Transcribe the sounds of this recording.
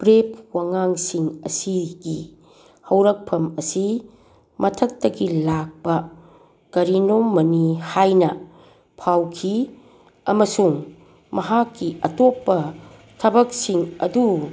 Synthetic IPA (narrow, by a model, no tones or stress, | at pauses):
pɾep̚waŋaŋsiŋɐ̰siɡi | hɐwɾɐk̚pʰɐmɐsi | mɐtʰɐk̚tɐɡilak̚pɐ | kɐɾinommɐnihajnɐ | pʰawkʰi | ɐmɐsuŋ | mɐɦakːiʔɐtopːɐ | tʰɐbɐk̚siŋɐ̰du